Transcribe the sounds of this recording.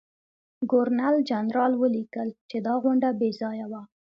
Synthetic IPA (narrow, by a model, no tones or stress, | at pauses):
ɡoɾnald͡ʒanɾɑlwəlikəlt͡ʃed̪ɑɣʊɳɖabezɑjawa